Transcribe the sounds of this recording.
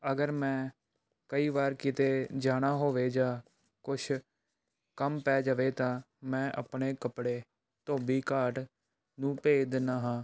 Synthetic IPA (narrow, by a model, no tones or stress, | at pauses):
əɡəɾmɛ̃ː | kəiːbaːɾkɪt̪eːd͡ʒaːɽ̃aːɦoːʋeːd͡ʒaː | kʊʃʰ | kəmpɛːd͡ʒaʋeːt̪ãː | mɛ̃ːʔə̰pɳeːkəpɽeː | t̪oːbiːkaːʈ | nũːpeːd̪ɪnaːɦãː